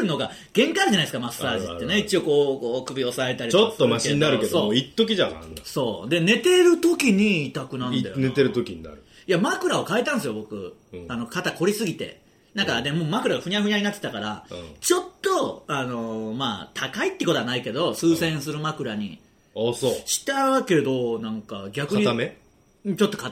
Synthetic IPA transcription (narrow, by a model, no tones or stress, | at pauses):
no̞ɡa | ɡ̥ẽ̞ŋkaɾʑanaisɨ̥kamasːaːʑit̪ːe̞neit͡ɕio̞ko̞ːkoːkɯ̟bʲio̞saet̪aɾitt͡ɕot̪ːomaɕeiɲinaɾɯkeooit̪ːok̬ʲiʑaã̰so̞ːd̪e̞ne̞t̪e̞ɾɯ̟t̪o̞kʲiɲ̟iːt̪akɯ̟nãnajnet̪eɾɯt̪o̞kʲiɲ̟ina̰ɾɯ̟ | jamakɯ̟ɾao̞kaet̪ãñsɨjo̞bo̞kɯ̟̰ano̞kat̪ako̞ɾʲisɨɡʲit̪e̞̰ | nãŋkad̪emoːmakɯ̟ɾaɡaɸɯ̟ɲʲaɸɯ̟ɲʲaɲinat̪ːe̥t̪akaɾã̰t͡ɕo̞t̪ːo̞ano̞maːt̪ʰakait̪ːekot̪o̞anaike̞d̪o̞sɨːsẽ̞ɰ̃sɨɾɯ̟makɯ̟ɾaɲ̟ḭ | asoɕi̥t̪aake̞d̪o̞nãŋka̰ɡʲakɯaɲiame | t͡ɕo̞t̪ːoka